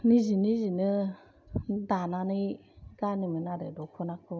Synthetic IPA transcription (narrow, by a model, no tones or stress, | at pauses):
nizinizinɯ | d̪ananɯj | ɡaniminaɾedokʰunakʰu